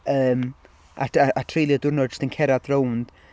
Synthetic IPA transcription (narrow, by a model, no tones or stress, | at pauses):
əːm | ʔa̰aatʰrejlˠjɪdʊrnɔd͡ʒʊstənkʰɛɾadrownd̥